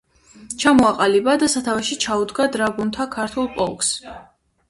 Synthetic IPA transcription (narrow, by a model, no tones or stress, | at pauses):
t͡ʃʰamɔaqʼalibad̪asat̪ʰavaʃit͡ʃʰaud̪ɡad̪ɾaɡunt̪ʰakʰaɾt̪ʰulˠpʼɔlˠks